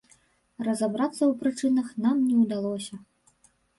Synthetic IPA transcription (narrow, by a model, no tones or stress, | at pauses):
rɐzabɾat̪sːɐwpɾɨt͡ʂɨnɐxnamnʲɛwd̪alˠɔsʲɐ